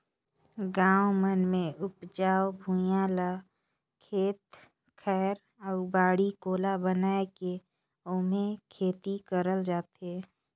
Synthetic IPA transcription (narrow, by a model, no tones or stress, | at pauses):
ɡãːwmənmẽʔʊpd͡ʒaːwbʱũjaːla | kʰeːt̪ | kʰɛːɾ | ɔːɾbaːɽikoːlabənaːeke | ʊmẽkʰeːt̪ikəɾəld͡ʒaːt̪eː